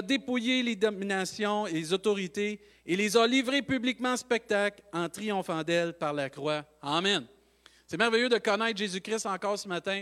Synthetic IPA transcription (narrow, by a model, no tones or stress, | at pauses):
d̪epujeled̪ɔminasjɔ̃lezɔt̪ɔʁit̪e | elezalivʁepyblikmɑ̃spɛk̚t̪aklɑ̃t̪ʁijɔ̃fɑ̃d̪ɛlpaʁlakʁwa | amɛn | sɛmɛʁvɛjød̪əkɔnɛɪt̪χʒezykʲʁɪst̪ɑ̃kɑːʁsəmat̪ɛ̃